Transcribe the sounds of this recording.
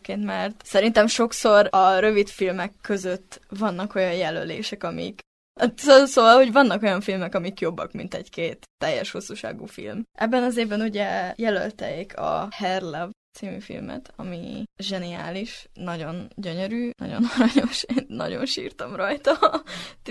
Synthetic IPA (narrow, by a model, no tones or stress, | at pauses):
keːnt̪mɛrt̪sɛɾin̪t̪ɛmʃo̞kso̞rɒɾøvit̪filmɛkːø̞zøt̪ːvɒnːɒko̞jɒjjɛlø̰lḛːʃɛkɒmḭk̪ | sosoːɒlho̞ɟvɒnːɒko̞jɒɱfilmɛkɒmikjo̞bːɒ̰kmḭnt̪ɛ̰ɟkeːt̪ːɛjːɛ̰ʃho̞sːuːʃa̰ːɡṵːfḭlmʔɛbːɛnɒzeːvbɛnuɟɛjɛlø̰lt̪ɛ̰eːkʰɒ̰hɛrlɛvt̪simy̰fḭlmɛ̰t̪ɒmḭʒɛnia̰ːliʃnɒɟo̞nɟøɲøɾyːnɒ̰ɟo̞̰noɾɒɲo̞ʃeːnːɒ̰ɟo̞̰nʃḭːrt̪ɒmrɒjt̪ɒ